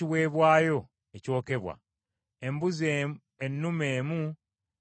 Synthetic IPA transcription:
iwe̞ːβwaːjo̞ | eco̞ːke̞βwa̰ | e̞mbuze | enːume̞ːmu

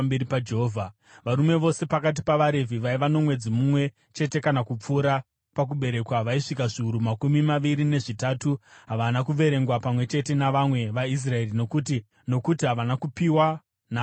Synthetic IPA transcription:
beipad͡ʒeɦoːvʱa | ʋaɾume̞ʋo̞se̞pakat̬ipaʋaɾe̞vʱiʋaiʋano̞mwe̞d͡zimumwe̞ | t͡ʃe̞te̞kanakup͡fuːɾa | pak̬uɓe̞ɾe̞kwaʋaiʂikaʐiuɾumakumimaʋiɾine̞ʐitatuɦaʋanakuʋe̞ɾe̞ŋɡwapamwe̞t͡ʃe̞te̞naʋamwe̞ʋais̬rae̞rino̞kuti | no̞kutiɦaʋanakupiwa | na

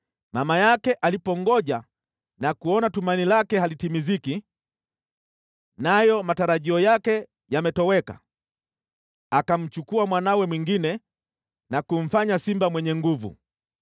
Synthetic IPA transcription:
mamajakɛʔalipɔŋɡɔʄa | nakuɔnatumanilakɛhalitimiziki | najɔmataɾaʄiɔjakɛ | jamɛtɔwɛka̰ | akam̩t͡ʃukuamwanawɛmwiŋɡinɛ | nakum̩faɲasimbamwɛɲɛŋɡuvṵ

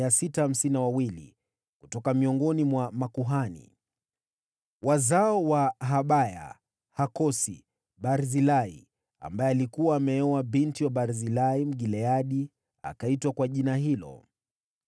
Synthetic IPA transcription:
asitaham̩siniawawilḭ | kutɔkamiɔŋɡɔnimwamakuɦanḭ | wazaɔwaɦaɓaja̰ | hakɔsḭ | ɓaɾzilaḭ | a̰mbajɛalikuwaːmɛɛwaɓintiwaɓaɾzilaim̩ɠilɛaɗi | a̰kaitwakwaʄinaɦilɔ̰

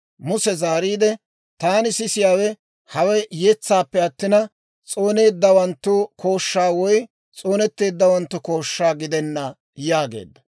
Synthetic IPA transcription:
mʊsɛzaːɾiːd̪ɛ | t̪aːnɪsɪsɪjaːwɛ | hɐwɐjjɛt͡sːaːpːɛɐt̪ːɪnɐ | t͡sʼo̞ːne̞ːd̪ːɐwɐnt̪ːʊkʰo̞ːʃːaːwɔj | t͡sʼo̞ːnɛt̪ːe̞ːd̪ːɐwɐnt̪ːʊko̞ːʃːaːɡɪd̪ɛnːɐ | jaːɡḛːd̪ːɐ̥

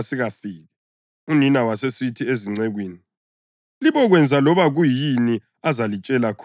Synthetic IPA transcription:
siɣafiːɣɛ | uninawasesitʰieziŋ͡ǀɛɣwiːni | liβɔɣwɛnd͡zʱalɔβaɣujini | azalit͡ʃʼɛlakʰ

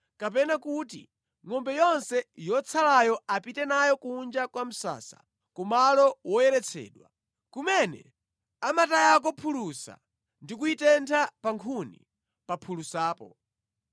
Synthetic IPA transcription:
kap̬ɛnakuti | ŋɔmbɛjɔnsɛjɔt͡sʰalajɔapitɛnajɔkuːnd͡ʒakwam̩sa̰ːsḁ̰ | kumalɔwɔjɛɾɛt͡sʰɛ̰ːɗwa̰ | kumɛnɛ̰ | amatajak̬ɔpʰulusa̰ | ndikuitɛntʰapaŋkʰunḭ | papʰulusaːpɔ

